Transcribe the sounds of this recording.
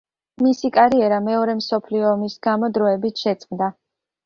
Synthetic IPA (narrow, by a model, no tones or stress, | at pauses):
misikʼaɾiɛɾamɛɔɾɛmsɔpʰliɔːmisɡamɔd̪ɾɔɛbit̪ʰʃɛt̪sʼmd̪a